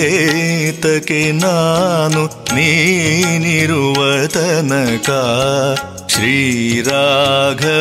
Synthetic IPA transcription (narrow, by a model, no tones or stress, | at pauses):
t̪ɐkenaːnuni | niɾuʋɐd̪ɐnɐka | ʃɾiːɾaːɡʱɐ